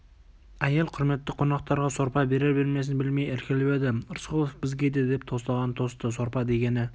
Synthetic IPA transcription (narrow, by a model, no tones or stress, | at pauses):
æjelˠqʰʊɾme̞t̪ːɪqʰo̞nɑq̚t̪ɑɾʁɑso̞ɾpɑbe̞ɾeɾbɪɾmes̬ɪnbɪlmejeɾkʲɪlɪpe̞d̪ɪɾsqolˠofbɪzɡʲe̞d̪e̞d̪e̞p̚t̪ʰo̞st̪ɑʁɑnt̪ʰo̞st̪əso̞ɾpɑd̪e̞ɡʲe̞nɪ